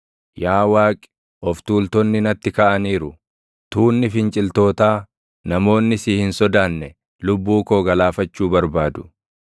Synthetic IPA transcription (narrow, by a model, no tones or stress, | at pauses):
jaːwaːkʼɪ̥ | ʔɔft̪uːlt̪ɔnːɪnɐt̪ːɪkɐʔɐniːɾʊ | t̪uːnːɪfɪnt͡ʃʼɪlt̪o̞ːt̪aː | nɐmo̞ːnːɪsiːhɪnsɔd̪aːnːɛ | lʊbːuːko̞ːɡɐlaːfɐt͡ʃːuːbɐɾbaːd̪ʊ̥